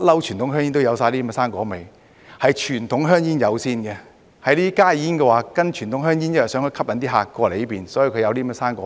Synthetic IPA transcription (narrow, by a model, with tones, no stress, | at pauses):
t̚lɐ˥wt͡ʃʰyː˨˩nt̪ʊ˨˥ŋɦœː˥ŋjiː˥nt̪wjɐ˨˧wsaː˧jliː˥mɛ˥saː˥nkɔː˨˥me˨˧j | hɐ˨jt͡ʃʰyː˨˩nt̪ʰʊ˨˥ŋɦœː˥ŋjiː˥njɐ˨˧wsiː˥nkɛ˧ | hɐ˨˧jliː˥i˥kaː˥jiː˨˥nkɛ˧waː˨˩kɐ˥nt͡ʃʰyː˨˩nt̪ʊ˨˥ŋɦœː˥ŋjiː˥njɐ˥jsœː˨˥ŋhɵ˨˧jkʰɐ˥p̚kɐ˨˥nt̪iː˥ɦaː˧˩kːɔː˧le˨˦jpiː˨˩nsɔ˨˥ji˧wkʰɵ˧jɐ˧wt̪iː˥mɛ˥saː˥nkɔ̰ː˨˦